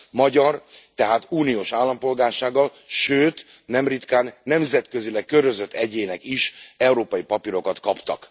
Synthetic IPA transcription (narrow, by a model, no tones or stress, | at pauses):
mɒɟɒrt̪ɛɦaːt̪uːnijoːʃaːlːɒmpo̞lɡaːrʃaːɡːɒlʃøːt̪ | nɛmrit̪kaːnːɛmzɛt̪kø̞zilɛkːøɾøzøt̪ʰːɛɟeːnɛkiʃɛuɾoːpɒjipɒpiɾo̞kɒt̪kɒpt̪ɒ̰k